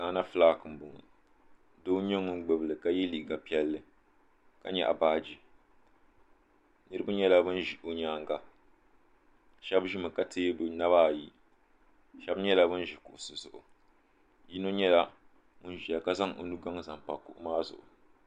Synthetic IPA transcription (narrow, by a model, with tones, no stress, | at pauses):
ɡa˨˦na˦flaː˦kɨ˨m˨bʊ˨ŋ˨ | doː˦ɲo˦ŋɨ˦n˦ɡ͡bɨ˨bɨ˨lɨ˨ka˦jɛ˦liː˨˦ɡa˨pi˦ɛ˦lːɨ˨ | ka̰˦ɲɛ̰˦˨ʔa̰˨baː˦d͡ʒi˨ | nɨ˦ɾɨ˦ba˦ɲɛ˦la˦bɨ˦n˦ʒi˨ʔo˦ɲaː˦ŋɡa˦ | ʃɛ˦bʒi˦mɨ˨ka˦tʰeː˦bʊ˨na˦βaː˦˨ji˦ | ʃɛ˦bɲɛ˦la˦bɨ˦n˦ʒi˨kʊ˨ʔʊ˨sɨ˨zʊ˨ʔʊ̰˨ | ji˦no˦ɲɛ˦la˦ | mʊ˦n˦ʒi˨ja˨ka˦za˦ŋo̰˨nu˦ɡa˦ŋza˨mpa̰˨kʊ̰˨ʔʊ˦maː˦zʊ̰˨ʔʊ̰˨